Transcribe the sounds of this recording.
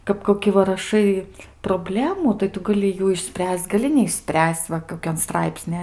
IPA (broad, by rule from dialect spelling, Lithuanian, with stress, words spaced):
kɐp koːˈkʲɪ ʋɐ rɐˈʃɐɪ proːˈbʲlʲæːmuː tɐɪ ˈtʊ ɡɐˈlʲɪ ˈjuː ɪʃʲˈsʲpʲrʲæːsʲt͡sʲ ɡɐˈlʲɪ nʲɛɪʃʲˈsʲpʲrʲæːsʲt͡sʲ ˈʋɐ koːˈkʲɛnˈstrɐɪpʲsʲnʲɪ